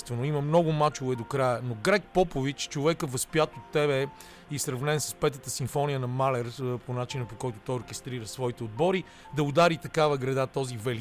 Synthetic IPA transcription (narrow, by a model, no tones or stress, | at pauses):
st̪vɛnoiməmnɔɡʊmat͡ʃovɛd̪okɾajənoɡɾɛk̚pɔpovit͡ʃt͡ʃovɛkəvɐspjat̪ot̪ːɛβɛ | isɾɐvnɛnsə̥spɛt̪ət̪əsiɱfɔnijənɐmalɛɾponat͡ʃinəpokɔjt̪ʊ̥t̪ɔjoɾkɛst̪ɾiɾəsvɔit̪ɛod̪̚bɔɾi | d̪ɐʊd̪aɾit̪ɐkavəɡɾɐd̪at̪ɔzivɛl